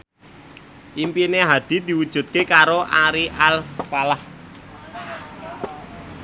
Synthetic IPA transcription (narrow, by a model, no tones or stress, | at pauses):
ʔimpineɦad̪̥i̤d̪̥i̤wud̥ʒ̥ṳt̪̚kekaɾoʔaɾiʔalfalah